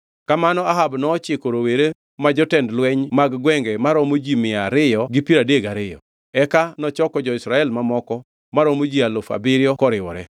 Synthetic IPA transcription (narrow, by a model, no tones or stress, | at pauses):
kamanɔaɦabnɔːt͡ʃɪkoɾoweɾe | mad͡ʒɔtɛndlwɛɲmaɡɡwɛŋɡɛmaɾɔmod͡ʒimɪaɾɪjɔɡɪpiɾadeɡaɾɪjɔ̰ | ɛkanɔt͡ʃɔkɔd͡ʒɔɪsɾaɛlmamɔkɔ | maɾɔmod͡ʒialofa̰bɪɾjɔkɔɾɪwɔ̰ɾɛ